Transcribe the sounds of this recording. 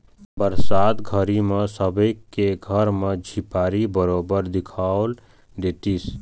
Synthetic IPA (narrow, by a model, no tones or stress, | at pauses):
bəɾsaːd̪ɡʱəɾimesəbəɪkeɡʱəɾmed͡ʒʱipaɾibəɾobəɾd̪ikʰaʊl | d̪et̪is